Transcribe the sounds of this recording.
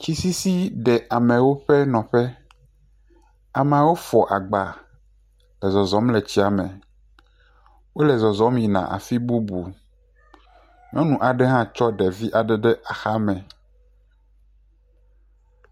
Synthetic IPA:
t͡ɕi˦si˦si˦ɖɛ˨ʔa˨mɛ̃˨wo˦ɸɛ˦nɔ̃˨ɸɛ˦ | a˨m˦ã˨wo˦fɔ˨ʔa˨ɡ͡ba˨ | lɛ˨zɔ˨zɔ̃˨˦mlɛ˨t͡ɕi˦a˨mɛ̃˨ | wo˦lɛ˨zɔ˨zɔ̃˨˦mĩ˨nã̰˨ʔa̰˨fi˦bu˦bu˨ | mĩ˦ɔ̃˦nũ˨ʔa˨ɖɛ˦ɦã˦t͡ʃɔ˦ɖɛ˨vi˦ʔa˨ɖɛ˦ɖɛ˦ʔa˨xa˦mɛ̃˨

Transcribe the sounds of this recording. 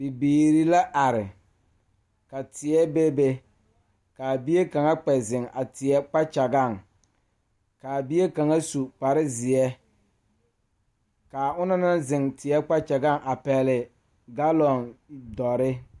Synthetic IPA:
bi˨biː˨ɾi˦la˦ʔa˨ɾɪ˨ | ka˨tɪ˨ɛ˦be˦be˦ | ka˨bi˦e˦ka˨ŋa˦k͡pɛ˨zɪ˨ŋa˨tɪ˨ɛ˦k͡pa˦t͡ʃa˨ɡa˦˨ŋ | ka˨bi˦e˦ka˨ŋa˦su˨k͡pa˨ɾɪ˦zɪ˨ɛ˦ | ka˨ʊ˦na˦na˦nzɪ˨ŋtɪ˨ɛ˦k͡pa˦t͡ʃa˨ɡa˦˨ŋʔa˨pɛ˨lɪ˨ | ɡa˦lɔ˨ndɔ˨ɾɪ˦

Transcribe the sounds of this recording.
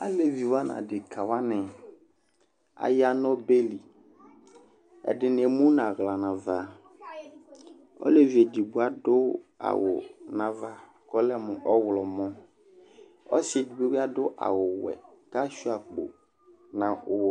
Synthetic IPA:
a̰˦le˨vi˨wa˦nã̰˨dɪ˨kʰa˨wa˦nɪ̃˨ | a̰˨ja˦nɔ˦be˦li˨ | ɛ̰˨dɪ˨n˨e˨mũ˦nã˨ɣla˨nã˨va˨ | ɔ̰˦le˦vi˨e˨di˨bu˨˦a˨dʊ˦a̰˨wʊ̰˨nã˨va˨ | kɔ˦lɛ˦mʊ̃˨ʔɔ˦wlɔ˨mɔ̃˦ | ɔ̰˦se˨di˨be˦wi˦a˦dʊ˦ʔa̰˨wʊ˨wɛ̰˨ka˦ʃu˦a˨k͡po̰˨ | nã˨ʊ˨w

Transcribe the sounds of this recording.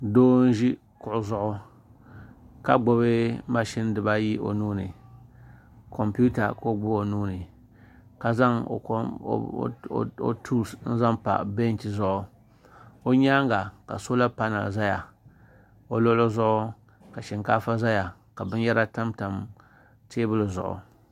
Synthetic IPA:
doː˦n̩˦ʒi˦ | kʊ˨ʔʊ˦zʊ˦ʔʊ˦ | ka˦ɡ͡bo˨βɪ˦ma˦ʃi˦n˦dɨ˨ba˦ji˦ʔo̰˨nuː˦nɨ˨ | ko˨mpi˦u˦ta̰˨ko˦˨ɡ͡bʊ˦o˨nuː˦nɨ˨ | ka˨za˦ŋ̰˨˦˨ | o̰˨tʰu˦˨sn̩˦za˦mpa̰˨ʔbe˦n˦ti˨zʊ˦˨ʔʊ˦ | o˦ɲa˦ŋ˦ɡa˨ka̰˨so˦la˦pa˦na̰˨za˦ja˨ | o˨lo˦lo˦zʊ˦ʔʊ˦ | ka˨ʃɛ˨ŋkaː˦fa˦za˦ja˨ | ka˨bɨ˦n˦jɛ˦ɾa˦ta˦mta˨m | teː˦bɨ˦lɨ˨zʊ̰˨ʔʊ̰˨

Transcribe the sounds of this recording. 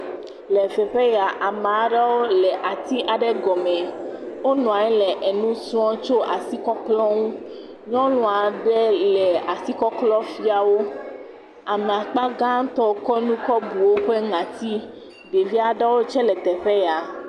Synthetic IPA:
lɛ˨fɛ˨ɸɛ˦ja˨ʔa˨mã˨˦ɖa˦wo˦lɛ˨ʔa˨t̪i˦ʔa˨ɖɛ˦ɡɔ˨mɛ̃˨wo˦nɔ̃˨a˨ɲɛ˦lɛ˨ʔɛ˨nũ˦sũ˦ɔ̃˦t͡ʃo˦ʔa˨si˦kɔ˦klɔ˦ŋũ˦ | ɲɔ̃˦lɔ̃˨a˨ɖɛ˦lɛ˨a˨si˦kɔ˦klɔ˦fi˦a˨wo˦ | a˨me˨a˨k͡pa˦ɡã˦t̪ɔ˦kɔ˦nũ˦kɔ˦bu˨wo˦ɸɛ˦ŋã˨t̪i˦ | ɖe˨vi˦a˨ɖɛ˦wo˦t͡ʃɛ˦lɛ˨t̪ɛ˨ɸe˦ja˨

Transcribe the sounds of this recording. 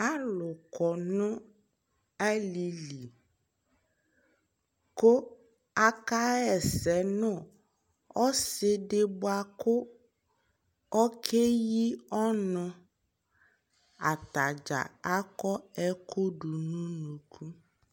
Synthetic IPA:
a˦lʊ˨kɔ˨nʊ̃˦ | a˦li˨li˨ | ko˦ | a˦ka˦ɛ˨sɛ˨nʊ̃˦ | ɔ˦sɪ˦dɪ˦bʊ˦a˨kʊ˦ | ɔ˦kʰe˦ji˦ɔ˦nʊ̃˨ | a˨ta˨d͡ʒa̰˨a˦kɔ˦ɛ˦kʰo˦du˨nʊ̃˦nũ˨kʰu˦

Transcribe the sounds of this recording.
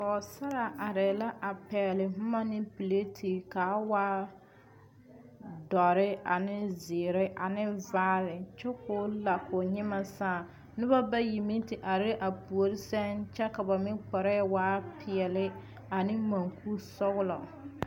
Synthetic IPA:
kɔ˨sa˦ɾa˨ʔa˨ɾɛ˨la˦ʔa˨pɛː˨lɪ˨m̩˦ma˦nɪ˦pi˨le˦tʰi˨kaː˨˦waː˦ | dɔ˨ɾɪ˦a˨nɪ˦zɪ˨ɾɪ˦ʔa˨nɪ˦vaː˦lɪ˨t͡ʃɛ˦kʊ˦la˨kʊ˨ɲɪ˦ma˦saː˦˨ | nɪ˦ba˦ba˦ji˨mi˦tɪ˨ʔa˨ɾɪ˦ʔa˨pu˨o˨ɾɪ˦sɛ˦nt͡ʃɛ˦ka˨ba˨mɪ˦k͡pɔ˨ɾɛ˦waː˦pʰɪ˨ɛ˨lɪ˦ | a˨nɪ˦ma˨ŋku˦sɔ˦ɣʊ˦lɔ˨

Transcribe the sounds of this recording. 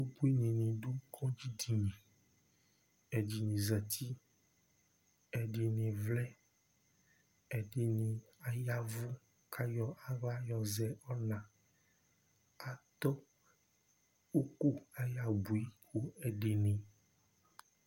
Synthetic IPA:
o˦bu˦i˦ɲĩ˨nĩ˨ɖu˦kʰɔ̃˦d͡ʑi˦di˨ɲĩ˨ | ɛ˨d͡ʒi˨nĩ˨zɛ˨t̪i˦ | ɛ˨ɖi˨nĩ˨vlɛ˦ | ɛ˨ɖe˨nĩ˨a˨ja˦vu˦ | kʰa˦jɔ˦ʔa˨va˦jɔ˨zɛ˨ɔ˦nã˨ | a˨t̪ɔ˦ | o˦ku˦a˦ja˨bu˨i˦ku˦ɛ˨ɖe˨nĩ˨

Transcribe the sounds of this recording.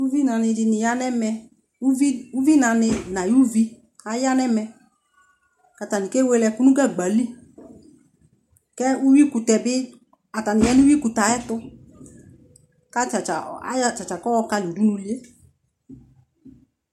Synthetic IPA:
u˦vi˦na˨nɪ˧dɪ˧nɪ˨ja˧nɛ˦mɛ˧ | u˦i˦u˦vi˦na˨nɪ˧na˨ju˦vi˦ | a˧ja˦nɛ˦mɛ˧ | ka˨ta˨ni˨ke˦we˧lɛ˧ku˦nũ˦ɡa˦˨ɡ͡ba˨li˦ | kɛ˦u˦wi˦ku˨tɛ˨bɪ˦ | a˨ta˨nɪ˨ja˦ni˦wi˦ku˨ta˨ɛ˦tʊ˧ | ka˦t͡ʃa˨t͡ʃa̰˨˦˨t͡ʃa˨t͡ʃa˨kɔ˦ɔ˧ka˧li˨du˦nu˧li˦e˦

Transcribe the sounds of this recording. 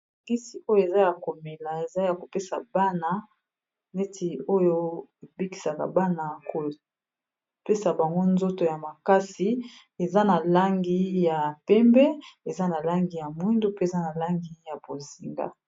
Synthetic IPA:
a˨ɡi˦si˨o˦jo˦e˨za˦ja˨ko˨me˨la˨e˨za˦ja˨ko˨pe˦sa̰˨ba˦na˨ | ne˦tʰi˨o˦jo˦e˨bi˦ki̥˨sa˨ka̰˨ba˦na˨ko˨ | pe˦sa˨ba˨ŋɡo˦nzo˦to˨ja˨ma˨ka˦si˨ | e˨za˦na˨la˦ŋɡi˦ja˨pɛ˦mbɛ˦e˨za˦na˨la˦ŋɡi˨ja˨mwi˦ndu˦pe˦e˨za˦na˨la˦ŋɡi˦ja˨bo˨zi˨ŋɡa̰˦

